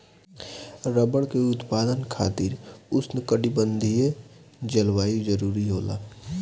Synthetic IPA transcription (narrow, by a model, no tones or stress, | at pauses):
ɾəbəɽkeʊt̪paːd̪ənkʰaːt̪ɪɾʊsnɪkəɽibə̃nd̪ʱije | d͡ʒəlwaːid͡ʒəɾuːɾiɦoːla̰ː